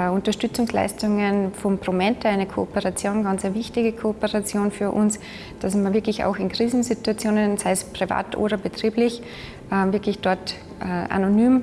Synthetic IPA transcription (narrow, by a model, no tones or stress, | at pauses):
ʊntɐʃtʏt͡sʊŋsla̰ɪstʊŋənfɔmpʁ̥omɛntəaɪnəkʰoopəʁat͡sjoːnɡɑ̃nt͡sseːɐvɪçtɪɡəkʰoopəʁat͡sjoːnfyːɐʔʊns | d̥asmɐvɪɐklɪça̰ʊxɪnkʁ̥iːzn̩situat͡sjoːnənsaɪspʁ̥iva̰ːtʔo̰ːɾɐbetʁ̥iːblɪç | ʔɛvɪɐkʰlɪçd̥ɔɐt | ʔʔa̰nonyːm